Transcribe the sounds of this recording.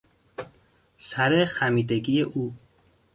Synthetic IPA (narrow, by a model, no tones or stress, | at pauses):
sæɾexæmiːd̪eɡijeʔuː